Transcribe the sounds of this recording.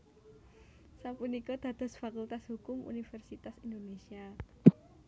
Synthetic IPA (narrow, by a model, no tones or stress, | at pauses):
sapunikɔd̪̥ä̤d̪̥ɔ̤sfakult̪ashukʊmṵnifɛrsit̪asind̪onesia